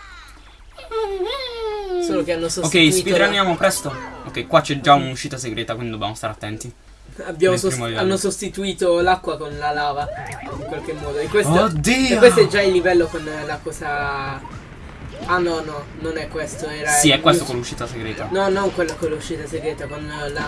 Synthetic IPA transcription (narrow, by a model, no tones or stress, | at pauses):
soːlokeanːosookkːɛjstpid̪ɾand̪jaːmopɾɛst̪ookːɛjkwat͡ʃɛd͡ʒaunuʃːiːt̪aseɡɾeːt̪akwind̪id̪objamost̪aɾeat̪ːɛnt̪i | abːjaːmosoɾiimod̪ivanːosost̪it̪uiːt̪olakːwakonlalaːvaiŋkwalkemːɔːd̪oekːwestod̪iːkwest̪oɛd͡ʒːailːivɛlːokonlakɔːsa | anːɔnɔ | nonɛkːwest̪oɛːɾaiɛkːwest̪okolːuʃːiːt̪aseɡɾeːt̪anɔnːɔŋkwelːakolːauʃːiːt̪aseɡɾeːt̪akwand̪ola